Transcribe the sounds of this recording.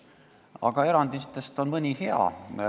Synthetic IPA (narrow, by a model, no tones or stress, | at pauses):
ɑ̰ɡ̥ɑe̞ɾɑnd̪it̪ːˑe̞st̪o̞nmɤnʲihe̞ɑ̰